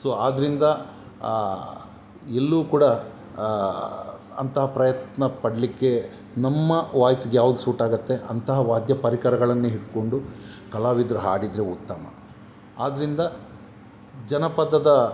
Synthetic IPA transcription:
soːaːd̪ɐɾind̪ɐ | elːukuːɽɐ | ɐ̰nt̪ɐɦɐpɾɐjɐt̪nɐpɐɽɐlikːe̞ | nɐmːɐʋaːjɐsiɡejaːʋud̪usuːʈaːɡɐt̪ːe̞ʔɐ̰nt̪ɐɦɐʋaːd̪jɐpɐɾikɐɾɐɡɐɭɐnːuɦiɽko̞ɳɖu | kɐlaːʋid̪ɾuɦa̰ːɽid̪ɾeut̪ːɐmɐ̰ | aːd̪ɐɾind̪ɐ | d͡ʒɐnɐpɐd̪ːɐd̪ɐ

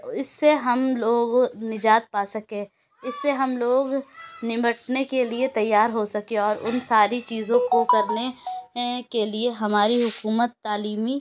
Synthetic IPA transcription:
ɪsːeɦɐmloːɡnɪd͡ʒaːt̪̚paːsɐkẽː | ɪsːeɦɐmloːɡnɪməʈnekeliet̪ɐjːaːɾɦosɐkẽɔːɾʊ̰nsaːɾit͡ʃiːzõkokɐɾne | kelieɦɐmaːɾiɦʊkuːmət̪ːaːliːmi

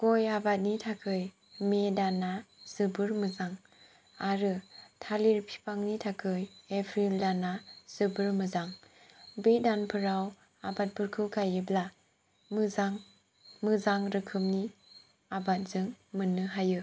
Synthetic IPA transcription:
ɡ̥ojabat̚nitʰakʰɯj | medanaz̥ɯbɯɾmɯzaŋ | aɾɯtʰaliɾpʰi̥pʰaŋnitʰakʰɯjepʰɾildanaz̥ɯbɯɾmɯzaŋ | bedanpʰɯɾaw | abat̚pʰɯɾkʰɯkʰajɯbla | mɯzaŋ | mɯzaŋɾɯkʰɯmni | abat̚zɯŋmɯnɯɦajɯ

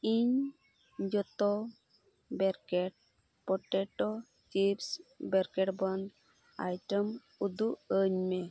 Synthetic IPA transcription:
iɲ | d͡ʒɔt̪ɔ | bɛɾkɛʈ̚ | pɔʈɛʈɔ | t͡ʃipsbɛɾkɛʈbɔn | a̰jʈəm | ud̪uəɲmɛ

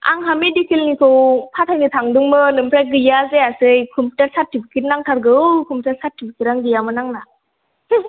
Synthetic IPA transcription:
a̰ŋɦamidikʰilnikʰɯwpʰatʰajnitʰaŋdɯŋmɯnɯmpʰɾaj̚ɡɯjazeasɯjkʰɔmputaɾsaɾtipʰi̥ket̚naŋtʰaɾɡɯɯkʰɔmputʰaɾsaɾtipʰikeɾaŋdijamɯnaŋna

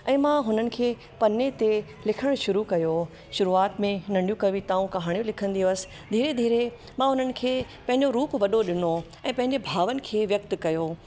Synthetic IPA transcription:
ɛ̃ːmãɦʊnənɪ̆kʰeː | pɐnet̪e | lɪkʰəɽ̃ʃʊɾukɐjo | ʃʊɾuaːt̪mẽnɐ̃ɳɖijũkɐʋit̪aːũkɐɦaːɽ̃ijõlɪkʰə̃nd̪ijoəsɪ̥̆ | d̪ʱiːɾed̪ʱiːɾe | mãɦʊnənɪ̆kʰeː | pɐ̃ɦɪ̃ɲd͡ʑoɾuːpʋɐɗoɗɪno | ɛ̃ːpɐ̃ɦɪ̃ɲd͡ʑebʱaːʋənɪ̆kʰeːʋjɐk̚t̪kɐjo

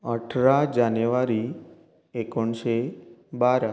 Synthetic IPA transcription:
əʈʰɾad͡ʒanjuʋaɾi | ekɔɳʃebaɾa

